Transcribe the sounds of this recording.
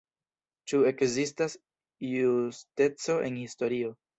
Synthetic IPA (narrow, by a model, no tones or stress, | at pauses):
t͡ʃue̞kzistas | juste̞t͡so̞ʔe̞nhisto̞ɾio̞